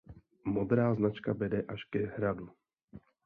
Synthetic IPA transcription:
mod̪ɾaːznat͡ʃkabɛdɛʔaʃkɛɦɾadu

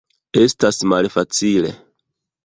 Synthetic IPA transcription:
e̞stasmalfat͡sile̞̰

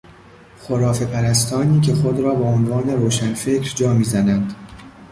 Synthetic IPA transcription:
xoɾɒːfe̞pʰæɾæst̪ʰɒːniːcʰe̞xo̞d̪ɾɒːbeonvɒːne̞ɾoːʃænfe̞cʰɾd͡ʒɒːmiːzænænd̪̥

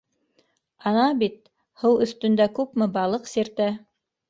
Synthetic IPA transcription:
ɑnɑbit̪̚ | hɤwɵ̆θt̪ɵ̆nd̪ækʉpmɘbɑlˠɤqsiɾt̪æ

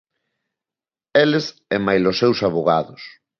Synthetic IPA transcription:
eles | ɛmajlosːewsaβoɣaðʊs

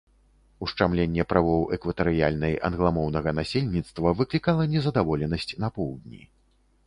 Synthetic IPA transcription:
uʂt͡ʂamlʲenʲːɛpɾavɔwɛkvɐt̪ɐɾɨjalʲnɐjɐ̰nɣlˠamɔwnɐɣɐnasʲelʲnʲit̪st̪vɐvɨklʲikalˠɐnʲɛzɐd̪avɔlʲɛnɐsʲt͡sʲnɐpɔwd̪̚ʲnʲḭ

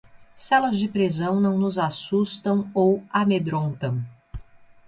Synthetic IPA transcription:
sɛlɐzd͡ʒɪpɾezɐ̃w̃nɐ̃w̃nʊzasust̪ɐ̃w̃owamed̪ɾõnt̪ɐ̃w̃

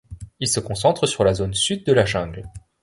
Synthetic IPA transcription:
ilsəkɔ̃s̬ɑ̃t̪χəsyʁlazonsyd̪ːəlaʒɛ̃ɡl

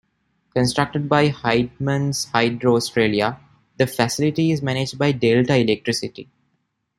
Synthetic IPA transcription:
kə̃nsʈɾʌk̚ʈəɖ̚baɪhaɪɖ̚mə̃nzhaɪɖɾoːsʈɾeːlia | d̪əfæsɪlɪʈiɪzmæñed͡ʒɖ̚baɪɖelʈaɪlek̚ʈɾɪsɪʈḭ

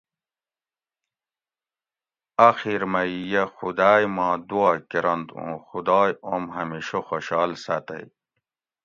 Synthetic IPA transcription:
ɐxiɾmɐjjexud̪aːjmɑ̃ːd̪uaːkiɾɐnd̪õ̰ːxud̪ɑːjomɦɐmiːɕoxoɕɑːlsɐt̪ɐ̰j

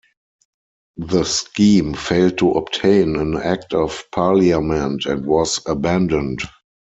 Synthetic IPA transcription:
ðəskĩːmfeɪld̚tʰuʔɔptʰẽɪ̃næ̃næk̚tʰɔfpʰaliamɛ̃ntɛ̃ntwɔzəbæ̃ndə̃nt

